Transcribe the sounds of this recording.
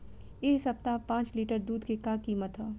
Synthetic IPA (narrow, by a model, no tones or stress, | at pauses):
eːsɐp̚t̪apãːt͡ʃliːʈəɾd̪uːd̪kekakiːmət̪ɦoː